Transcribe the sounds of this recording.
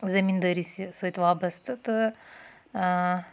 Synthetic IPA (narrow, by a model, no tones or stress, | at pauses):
zɐmʲind̪ɐɾisisɨt̪ʋaːbɐst̪ɨt̪ɨ